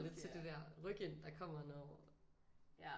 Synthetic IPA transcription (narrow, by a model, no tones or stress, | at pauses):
le̝d̥̚t͡sʰe̝ld̥e̝d̥æɐ̰ʁœɡ̥end̥ɑ̈kʰɒ̽m̰ɐnɒː